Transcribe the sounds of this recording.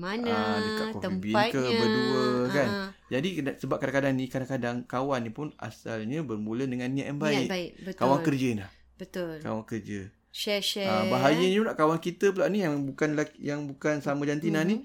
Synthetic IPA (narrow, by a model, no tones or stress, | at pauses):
manədikakɔəibiakəbəduəkand͡ʒadikasəbap̚kadaŋkadaŋnikadaŋkadaŋkawanːipʊna̰sa̰lɲəbərmulədəŋanːiaʔjanbaɪʔbəkawaŋkərd͡ʒəinlah | bət̪ulka̰waŋkərd͡ʒə | ʃɛɛəbaɦajəɲənaʔkawankit̪əp̬əlaʔnijaŋŋbukanlajaŋbukansamə̃d͡ʒant̪inani